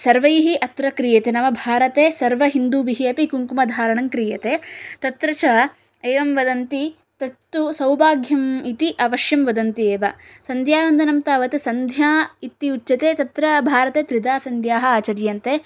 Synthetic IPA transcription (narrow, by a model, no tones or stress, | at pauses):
sɐɾʋɐiɦiʔɐt̪ɾɐkɾijɐt̪enɐʋɐbʱaːɾɐt̪eːsɐɾʋɐɦind̪uːbiɦiɐpikuŋkumɐd̪ʱaːɾɐɳɐŋkɾijɐt̪eːt̪ɐt̪ɾɐt͡ʃɐ | eːʋɐmʋɐd̪ɐnt̪i | t̪ɐt̪ːusɐwbaːɡʱjɐmit̪iʔɐʋɐʂjɐmʋɐd̪ɐnt̪ieːʋɐ̰sɐnd̪ʱjaːʋɐnd̪ʱɐnɐmt̪aːʋɐt̪ɨsɐnd̪ʱjaːit̪ːiut͡ʃːʃɐt̪eːt̪ɐt̪ɾɐbʱaːɾɐt̪eːt̪ɾid̪aːsɐnd̪ʱjaːɦɐaːt͡ʃɐɾjɐnt̪eː